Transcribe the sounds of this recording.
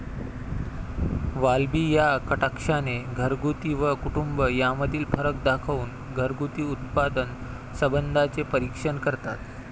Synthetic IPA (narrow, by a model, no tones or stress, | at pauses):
ʋalbiːjakəʈakʂaneɡʱəɾɡut̪iʋəkuʈumbəjaməd̪ʱiːlfəɾək̚d̪akʰauːn | ɡʱəɾɡut̪iːut̪̚pad̪ən | səbənd̪ʱat͡sepəɾikʂəɳkəɾt̪at̪